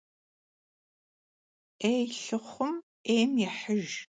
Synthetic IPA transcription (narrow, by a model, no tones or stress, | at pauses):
ejɬɨχʷʊm | ejmjɛħəʒ